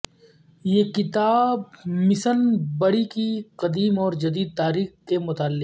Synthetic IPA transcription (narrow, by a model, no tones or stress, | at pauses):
jekɪt̪aːb̚mɪsənbɐɽikiqɐd̪iːmɔːɾd͡ʒɐd̪iːd̪̚t̪aːɾiːxkemʊt̪aːlːɪ